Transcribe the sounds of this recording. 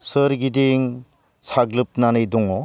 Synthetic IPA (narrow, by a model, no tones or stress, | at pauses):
səɾɡidiŋ | sʰaɡlɯp̚nanɯjdɔŋɔ